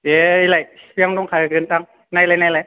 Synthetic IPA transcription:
eilajjaŋdɔŋkʰaakɯntaŋ | najlajnajlaj

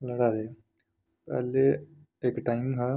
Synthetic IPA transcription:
ləɽaːd̪eː | pɛ̰ːle | eːkʈaːɪmɦɛ

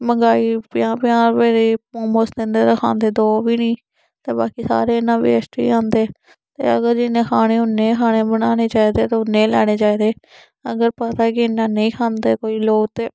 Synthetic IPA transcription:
məŋɡaːiːpɪjãːpɪjaːɾʋeːɾeːpõːmoːsd̪ẽnd̪eːɾəkʰã̰ːnd̪eːd̪oːʋiːnĩː | t̪eːbaːkiːsa̰ːɾeːɪnãːbḛsʈḭːãːnd̪eː | t̪ḛːəɡəɾd͡ʒɪnẽːkʰaːɽ̃eːʊnːeːkʰaːñeːbəɽaːneːt͡ʃaːiːd̪eːt̪oʊnːẽːlɛ̰ːɽ̃eːt͡ʃaːiːd̪eː | əɡəɾpət̪aːɛːkɪɪnːãːnəĩːkʰãːnd̪eːkoːiːloːɡt̪eː

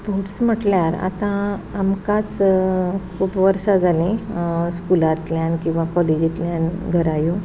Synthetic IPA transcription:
spoʈsm̤əʈljaɾa̰t̪ãamkat͡s | kʰupʋəɾsad͡zalẽskulat̪ljankĩw̃ʋakɔled͡ʑit̪ljanɡʱəɾajo

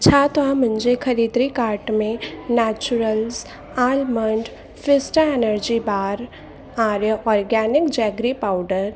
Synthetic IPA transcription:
t͡ʃʰaːt̪oãmə̃nd͡ʒekʰəɾiːd̪ɾikaːɾʈmẽnɛːt͡ʃuɾəlz | aːlməɳɖ | fʰɪsʈəenəɾd͡ʒibaːɾ | aːɾjəʔɔːɾɡɛːnɪkd͡ʒɛːɡɾipaːʊɖəɾ

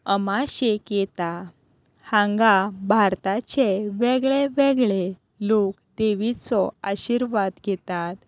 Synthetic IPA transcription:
əmaɕekjɛt̪a | hãŋɡabʱaɾt̪at͡ɕeʋɛɡɭeʋɛɡɭe | lokd̪eʋit͡sɔaɕiɾʋad̪ɡʱɛt̪at̪

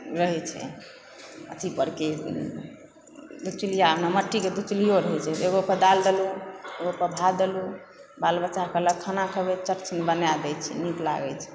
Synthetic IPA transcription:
ɾəɦɛt͡ʃʰɛ̰ | ə̰t̪ʰipəɾke | d̪ut͡ʃlijaəpnaməʈːiked̪ut͡ʃlijoɾəɦɛt͡ʃʰɛeɡopəɾd̪ald̪elueɡopəb̪ʱad̪elu | balbət͡ʃakələɡ̚kʰanakəbɛt͡ʃəɾt͡ʃnebənjad̪ɛt͡ʃʰɛ̰nikla̰ɡɛt͡ʃʰɛ̥

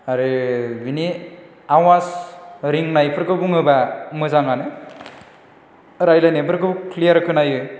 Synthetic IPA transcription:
aɾɯbini | awazɾiŋnajpʰɾkɯbuŋɯbamɯzaŋanɯ | ɾajlanepɾkɯkʰlijʌɾkʰɯnajɯ

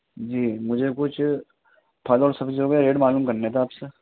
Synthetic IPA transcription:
d͡ʒiːmʊd͡ʒʱekʊt͡ʃʰ | pʰɐlɔːɾsɐkd͡ʒoːɡjaɾeːɖmaːlũːmkɐɾnet̪ʰeaːpse

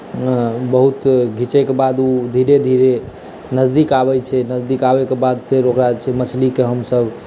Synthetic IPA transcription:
bəɦut̪ɡʱit͡ʃɛkebad̪ud̪ʱiɾed̪ʱiɾe | nəzd̪ikabɛt͡ʃʰɛnəzd̪ikabɛkebad̪̚pʰeɾokɾat͡ʃʰɛmət͡ʃʰlikeɦəmsəb

